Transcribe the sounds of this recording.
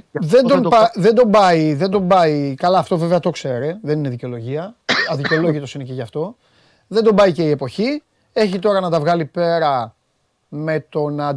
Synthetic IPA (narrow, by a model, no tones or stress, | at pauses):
ðe̞nd̪ompɐðe̞nd̪o̞mbɐiðe̞nd̪o̞mbɐikɐlɐːft̪o̞ve̞veɐt̪o̞kse̞ɾeðenineðiceo̞loʝiɐɐðiceolo̞ʝit̪o̞sineceʝɐft̪o̞ | ðend̪o̞mbɐice̞ie̞po̞çi | e̞çit̪o̞ɾɐnɐt̪ɐvɣɐlipe̞ɾɐ | me̞t̪o̞nɐ